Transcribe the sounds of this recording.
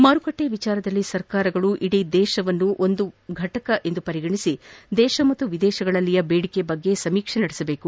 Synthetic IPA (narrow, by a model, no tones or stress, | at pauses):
mɐɾukɐʈːeʋit͡ʃaːɾɐd̪ɐlːisɐɾkaːɾɐɡɐɭuʔiɽid̪ɛːʃɐʋɐnːuʔo̞nd̪uɡʱɐʈɐkɐʔe̞nd̪upɐɾiɡɐɳisid̪ɛːʃɐmɐt̪ːuʋid̪ɛːʃɐɡɐɭɐlːijɐbeːɽikebɐɡːe̞sɐmiːkʂɐnɐɽisɐbe̞ːku